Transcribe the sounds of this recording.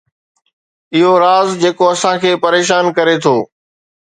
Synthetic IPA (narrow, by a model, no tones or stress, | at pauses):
ɪɦoɾaːzd͡ʑeːkoɐsãkʰeːpɐɾeːʃaːnkɐɾet̪ʰoː